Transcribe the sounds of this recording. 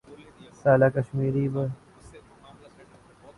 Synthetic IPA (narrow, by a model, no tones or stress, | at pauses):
saːlaːkəʃmiːɾiːbə